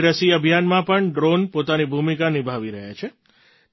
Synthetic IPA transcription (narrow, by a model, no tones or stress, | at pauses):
ɾəsiəbʱijanmãpəɳɖɾonpot̪anibʱumikanibʱaʋiɾəɦja̰t͡ʃʰe